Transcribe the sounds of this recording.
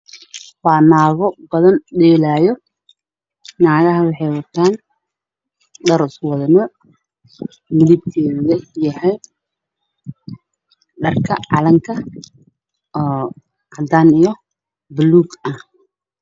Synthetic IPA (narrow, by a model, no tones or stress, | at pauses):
baːnaːɣɔbɐðɐnɗɛːlaːjɔ | naːɣɐɦɐwɑħɛjwɐt̪ʰaːn | ɖɐɾswɐðɐnɔ | mɪlɪb̚k̪ʰɛːðɐjɐhɛj | ɖɐrkʰɐ̰ʕɑlɐŋkʰɐ | ʔɑd̪aːnijɔ | bʊluːɡɐh